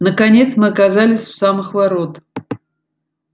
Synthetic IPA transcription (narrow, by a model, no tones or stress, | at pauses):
nəkɐnʲe̞t̪smɨɐkɐzalʲɪsʲʊ̥samɨxvɐɾot̪